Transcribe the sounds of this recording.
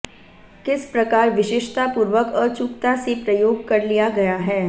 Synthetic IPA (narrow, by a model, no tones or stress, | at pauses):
kɪspɾɐkaːɾʋɪʃɪʃt̪apuːɾʋəkɔːɾt͡ʃʊkt̪asepɾɐjoːɡ̚kɐɾlijaɡɐjaɦɛː